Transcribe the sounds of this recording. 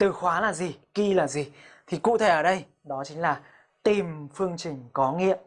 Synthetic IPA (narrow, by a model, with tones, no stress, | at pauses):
t̪ɨ˨˩xwaː˨˦laː˨˩zi˨˩ki˧laː˨˩zi˨˩t̪ʰi˨˩kṵ˧˨t̪ʰe˧˩ʔəː˧˩ɗə˧j | ɗɔ˨˦t͡ɕï˨˦ŋ̟laː˨˩ | t̪i˨˩mfɨ˧əŋt͡ɕï˨˩ŋ̟kɔ˨˦ŋḭ˧˨ə